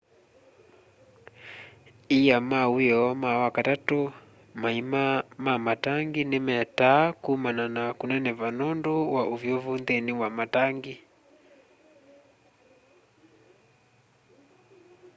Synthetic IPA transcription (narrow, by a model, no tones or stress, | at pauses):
ijamaujɛɔmawakatatɔ | maimamamataŋɡinɛmɛtakumananakunɛnɛvanɔndɔwaʔuvjɔvundɛniwamataŋɡi